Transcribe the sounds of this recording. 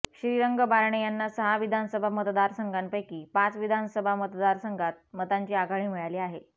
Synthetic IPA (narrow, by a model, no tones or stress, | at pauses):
ɕɾiɾəŋɡəbaɾɳejanːasəɦaʋid̪ʱansəbʱamət̪d̪aɾsəŋɡanpəjkiːpat͡sʋid̪ʱansəbʱamət̪d̪aɾsəŋɡʱat̪̚mət̪aɲt͡ɕiːaɡaɽ̃iːmiɭaliːaɦe